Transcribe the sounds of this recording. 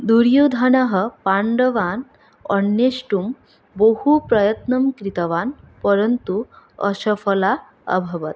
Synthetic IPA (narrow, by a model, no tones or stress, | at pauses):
d̪uɾjud̪ʱanaɦəpaɳɖəʋan | əɳːeɕʈum | bohupɾəjət̪nəmkɾit̪əʋanpəɾənt̪uə̰ɕəfəla | ə̰bʱəʋət̪